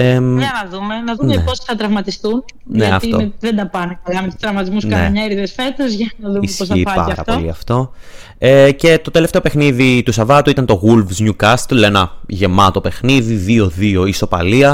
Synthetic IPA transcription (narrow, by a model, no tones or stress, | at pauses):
eɐnɐðumenɐðunmeeposθɐt̪ɾɐvmɐt̪ist̪un | neɐɐftioeðend̪ɐpɐnekɐlɐmet̪u̥st̪ɾɐvmɐt̪izmusnkɐeɐɲeɾiðesfet̪ɐzʝɐnɐðumissosçɐiɐpɐɐɾɐ̰p̪oliɐft̪o̞ | ece̞t̪o̞t̪e̞left̪eo̞pe̞xniðit̪usɐvɐt̪uit̪ɐnt̪o̞ɣulvzɲukɐst̪lenɐʝe̞mɐt̪o̞pe̞xniðiðio̞ðio̞iso̞pɐliɐ